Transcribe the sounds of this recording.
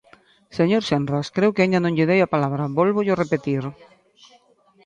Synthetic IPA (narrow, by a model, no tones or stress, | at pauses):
seɲoɾʃenraskɾewkɪeɲanõŋʎɪðejapalaβɾaβɔlβʊʎorepet̪iɾ